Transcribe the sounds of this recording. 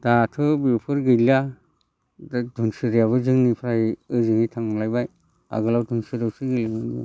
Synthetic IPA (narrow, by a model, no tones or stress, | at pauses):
d̥atʰɯbiɾpʰɯɾɡɯlija | ddɔnsɯɾijaβɯzɯŋnipʰɾaiɯzɯŋitʰaŋlajbaj | a̰ɡɯlawdɔnsɯɾawsɯɡɯlimanibɯ̰